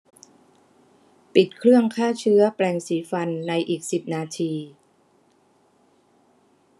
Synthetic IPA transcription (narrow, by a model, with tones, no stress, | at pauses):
pi˨˩t̪̚kʰɾɯ˥˩əŋkʰaː˥˩t͡ɕʰɯ˦˥ɐplɛː˧ŋsiː˩˦fa˧nːa˧jʔiː˨˩k̚si˨˩p̚naː˧t̪ʰiː˧